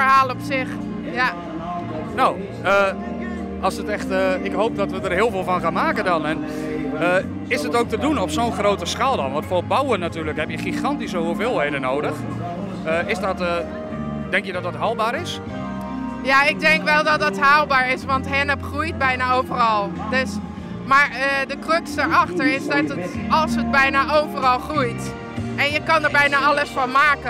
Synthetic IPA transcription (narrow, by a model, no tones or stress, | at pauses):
əɦaːlˠɔpsɪx | ja | now | ə | ɑlˠsətɛxtəɪkɦowp̚dɔtʋədərɦɪːəlˠveːlˠfɔnχaːnmaːkəndɔnɛn | ə | ɪsdətoːk̚tədunɔpsoːnχrowtəskaːlˠdɔnʋɑntfoːrbawənːatyːrləkɦɛpjəχiχɑntisəɦuvɪːlˠɦejdənoːdəx | əɪsdɔtə | dɛŋkjədɔtdɑtɦaːlˠbaːɾɪs | jaɪɡ̚dɛŋkʋɛlˠdɔt̚dɔtɦaːlˠbaːɹɪsʋɑntɦɛnəpχrujt̚bɛjnaowvərɑlˠdøs | maːɹədəkrøksdəɹɑχtəɹɪsdɔtətɑlˠsəd̚bɛjnaʔowvərɑlˠχrujt | ɛnjəkɑndəɹbɛjnaɑləsfɔnmaːkə